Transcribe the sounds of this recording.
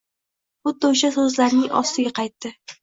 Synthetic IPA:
bʊt̪̚ːaʊʃasɵzlaɾnɪŋɒ̰st̪ɪɡʲaqʰɑjt̪ːɪ

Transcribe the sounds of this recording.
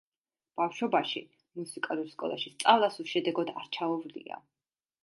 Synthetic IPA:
b̥afʃɔbaʃi | musikʼaluɾskʼɔ̰lˠaʃist̪sʼalˠasuʃɛd̪ɛɡɔd̪aɾt͡ʃʰaɔvlḭa̰

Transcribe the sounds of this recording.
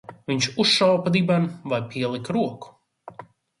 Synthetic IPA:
viɲʃusʃawpad̪ibanvajpʰʲiɛlˠikɾuɔku̥

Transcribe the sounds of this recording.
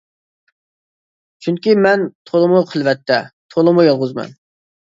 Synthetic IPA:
t͡ʃʰyŋkʲimɛnt̪ʰolˠəmuqʰəlˠvɛt̪ʰːɛt̪ʰolˠəmujɑlˠʁʊzmɛ̰n

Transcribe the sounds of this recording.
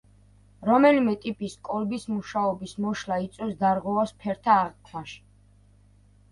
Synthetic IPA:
ɾɔmɛlimɛt̪ʼipʼiskʼɔlbismuʃaɔbismɔʃlait̪sʼwɛsd̪aɾʁwɛvaspʰɛɾt̪ʰaːʁqʼkʰlaʃ

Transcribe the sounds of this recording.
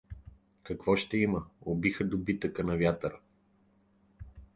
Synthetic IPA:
kɐkvɔʃt̪ɛiməobixəd̪obit̪əkənɐvʲjat̪əɾə

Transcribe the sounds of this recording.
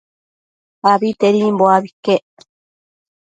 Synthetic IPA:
aβit̪eɾimboaβikːeʔ

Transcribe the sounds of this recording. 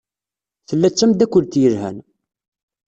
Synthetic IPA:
θəlːæt͡sːæmd̪ækʷːʊlt̪jəɾhæ̰n

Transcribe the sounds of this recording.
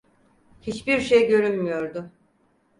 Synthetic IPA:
hit͡ʃbiɾʃejɟø̞ɾynmyjo̞ɾd̪ʊ

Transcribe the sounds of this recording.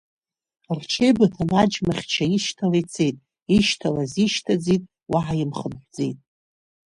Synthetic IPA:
rt͡ʃʰejbatʰanad͡ʒmaχʲt͡ʃʰaiʃtʰalejt͡sʰejtʼ | iʃtʰalaziʃtʰad͡zitʼ | waʕajɪmχəmħʷd͡zejtʼ

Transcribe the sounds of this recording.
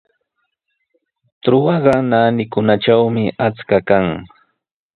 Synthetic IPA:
t̪ɾʊwɑɢɑnaːnɪkʊnaʈ͡ʂawmɪʔat͡skakaŋ

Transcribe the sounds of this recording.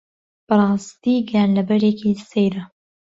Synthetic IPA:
b̥ɨrˤɑːst̪iːɡjanlɐbɐɾekisejɾɐ

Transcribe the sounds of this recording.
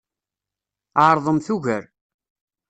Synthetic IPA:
aɾðˤəmθʊʝəɾ

